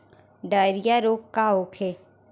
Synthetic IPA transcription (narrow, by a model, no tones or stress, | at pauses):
ɖəːɾijaɾoːkkaoːkʰe